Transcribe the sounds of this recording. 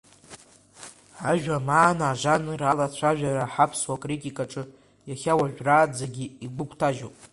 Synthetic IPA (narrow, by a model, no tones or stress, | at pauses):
aʒᶣamaːnaːʐanralat͡ɕʷʰaʒᶣaɾaħapʰswakʼritʼikʼaʈ͡ʂʼɨ | jaχʲawaʒᶣraːd͡zaɡʲiiɡʷʊkʷʰtʰaʒowpʼ